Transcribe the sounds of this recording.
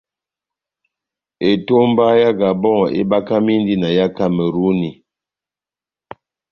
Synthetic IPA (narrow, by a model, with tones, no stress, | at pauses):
e˨to˦m˦ba˦ja˦ɡa˨bɔ˦ŋ˨ḛ˦ba˦ka˦mi˦n˦di˦na˨ja˦ka˦mɛ˨ɾu˦ni˨